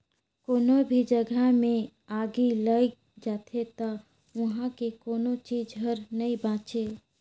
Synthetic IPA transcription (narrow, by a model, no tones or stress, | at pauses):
koːnobʱid͡ʒəɡʱamẽ | aːɡiləj | d͡ʒaːt̪ʰet̪a | ʋɐɦãkekoːnot͡ʃiːd͡ʒɦəɾnəĩbãːt͡ʃe